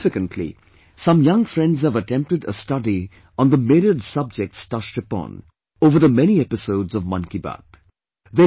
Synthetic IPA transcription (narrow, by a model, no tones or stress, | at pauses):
fɨkə̃ntʰlḭ | sʌ̃mjʌ̃ŋfɾɛ̃ndz̥həvətɛ̃mp̚tɨdə̰stʌdi | ə̃nðəmɪɾədsʌb̚d͡ʒɛk̚tstʌt͡ʃʈəpɔ̰̃n | ovə˞ðəmɛñiɛpɪsoʊdzʌvmʌ̃nkibæ̰t̪ | ðe